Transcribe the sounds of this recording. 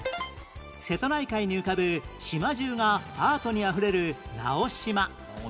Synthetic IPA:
se̞t̪o̞naikaiɲ̟iɯ̟kabɯ̟ɕimaʑɨːŋaaːt̪o̞ɲ̟iaɸɯ̟ɾe̞ɾɯ̟na̰o̞ɕima

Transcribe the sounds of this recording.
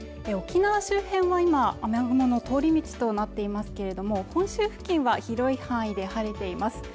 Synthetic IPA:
eo̞kʲinaβaɕɨːhẽ̞ɰ̃βaimaːmehonono̞t̪o̞ːɾʲimʲit͡ɕi̥t̪o̞nat̪ːe̞imasɨ̥ke̞ɾe̞d̪o̞mo̞hõ̞ɰ̃ɕɨːɸɯ̟̥kʲĩɰ̃βaçiɾo̞ihãɰ̃id̪e̞haɾet̪e̞imasɨ̥

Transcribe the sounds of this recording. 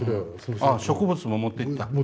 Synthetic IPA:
aɕo̞kɯbɯt͡sɨmo̞mot̪ːei̥t̪ːa

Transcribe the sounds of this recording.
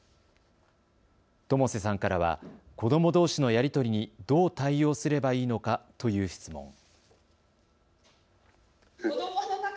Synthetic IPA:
t̪o̞mo̞ses̬ãŋkaɾaβ̞a̰ | ko̞d̪o̞mo̞d̪o̞ːɕino̞jaɾʲit̪o̞ɾʲiɲ̟id̪̥o̞ːt̪aijo̞ːsɨɾe̞baiːno̞kat̪o̞jɯ̟ːɕi̥t͡sɨmõ̞̰ŋ

